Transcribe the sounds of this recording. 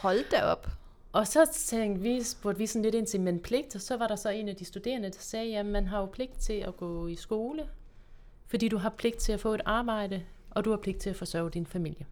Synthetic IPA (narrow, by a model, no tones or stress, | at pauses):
hɒ̽ld̥dæɒ̽b̥ | ʔɒ̽sɒ̽t͡sʰeŋɡ̥ʋisb̥oɐd̥ʋisɒ̽n̩leɾ̥e̝nt͡sʰemenpʰle̝ɡ̥̚d̥ɒsɒ̽ʋɑ̈ɾ̥ɑ̈sɒ̽e̝ːnæd̥isd̥ud̥e̝̰ːɐnəd̥ɑ̈sɛːjæmænɦɑ̈jo̝pʰle̝ɡ̥d̥̚t͡sʰe̝læɡ̥ɔ̰̽ːisɡ̥o̝ːlə | fɒd̥ḭːd̥uɦɑ̈pʰle̝ɡ̥̚d̥̚t͡sʰe̝læfɔ̰̽ːe̝d̥ɑ̈ːb̥ɑ̈ɪ̰ɾ̥ə | ʔɒ̽d̥uhɑ̈pʰle̝ɡ̥d̥̚t͡sʰe̝læfɒ̽sɶɐ̰ʊd̥infæmil̰jə